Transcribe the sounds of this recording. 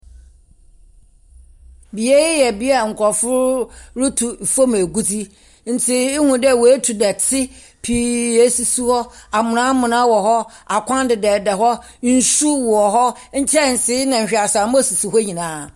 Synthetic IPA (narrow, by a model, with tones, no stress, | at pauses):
bi˨e˦ɪ˦jɛ˨bi˦a˨ŋ̩˨kʰɔ˨fʊ˦ɾɾʊ˦tʰu˨fo˦mæ˨ɡu˦d͡zi˦ | n̩˨tʰɪ˦ɪ˦hũ˨dɛ˦˨wɔ˨e˦tʰu˨dɛ˨tʰɪ˦ | pʰi˨e˦si˨su˦hɔ˦a˨mʊ̃˨nã˦mʊ̃˨nã˦wɔ˨ɦɔ˦a˨kʷʰã˦ndɪ˨dɛ˨dɛ˨ɦɔ˦ | n̩˦su˦wɔ˨ɦɔ˦ɲ̩˦t͡ɕʰɛ˦˨n̩˨sɪ˦nã˨ɲ̩˨ɕᶣa˨sa˨m˦o˦su˨su˨ɦɔ˦ɲĩ˨nãː˨˦˨